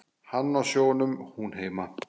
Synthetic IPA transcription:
hanːɔɕoːnəmhunɦeːma

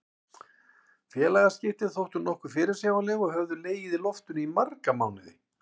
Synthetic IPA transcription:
fjɛːlajɣascɪft̪ɪðθowht̪ʏnɔhkʏfɪːɾɪɾ̥sjaːwvanlɛɣɔɣhœvðʏleːjɪðɪlɔft̪ʏnimarkamawnɪðɪ̰

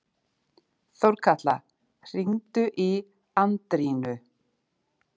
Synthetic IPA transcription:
θowɾkʰat̪la | r̥iŋt̪ʏʔi | ant̪ɾiːnʏ

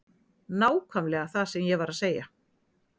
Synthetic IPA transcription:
naːwkʰvamlɛɣaθaðsɛmjɛɣvaɾaðseːja

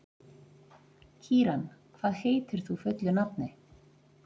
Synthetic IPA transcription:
cʰiːɾankʰv̥aːðheːjt̪ɪɾ̥θufʏt̪lʏnapnɪ

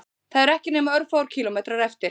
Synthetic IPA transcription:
θaðɛɾɛhcɪnɛːmaœɾfaːwɾ̥cʰiːlɔmɛːt̪ɾaɾɛft̪ɪɾ

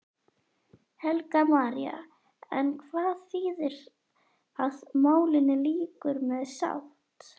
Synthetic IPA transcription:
hɛlkamaːɾja̰ | ɛ̰nkʰvaːðθiːðɪɾ | aðmoːwlɪnːɪliːkʏɾmɛðsa̰wht̪

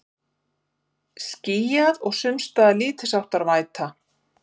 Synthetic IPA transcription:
sciːjaðɔɣsʏmst̪aðaliːt̪ʰɪsawht̪aɾvaːjt̪ʰa

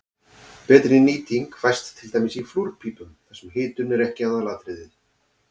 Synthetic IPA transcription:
pɛːt̪ɾɪiniːt̪iŋkfajst̪ʰːɪlt̪ajmɪsifluɾ̥pʰiːpʏmθɛsɛmɦɪːt̪ʏnɛɾɛhcɪawðalaːt̪ɾɪðɪð

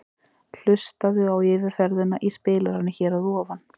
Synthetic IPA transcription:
l̥ʏst̪aðʏawɪːvɪɾfɛɾðʏnaʔispɪːlaɾanːɪçɛːɾaðɔːvan

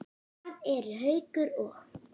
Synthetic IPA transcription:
aðɛɾɦœːɥkʏɾɔx

